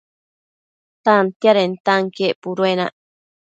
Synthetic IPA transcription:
t̪ant̪jaɾent̪aŋkeʔpuɾwena̰ʔ

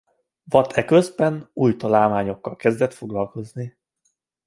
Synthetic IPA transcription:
vɒt̪ʰɛkøzbɛnuːjt̪ɒlaːlmaːɲo̞kːɒlkɛzd̪ɛt̪fo̞ɡlɒlko̞zni

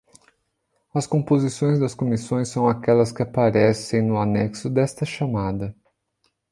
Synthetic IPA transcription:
ɐskõpozisõj̃zd̪ɐskomisõj̃sːɐ̃w̃akɛlɐskɪapaɾɛsẽj̃nʊanɛksʊd̪ɛst̪ɐʃamad̪ɐ

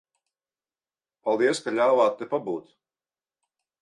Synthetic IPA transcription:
palˠd̪iɛskaʎʲaːvaːt̪ːepabuːt̪

